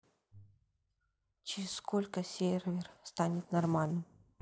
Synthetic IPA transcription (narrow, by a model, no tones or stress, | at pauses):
t͡ɕɪɾʲɪsskolʲkəsʲervʲɪrst̪anʲɪt̪nɐrmalʲnɨm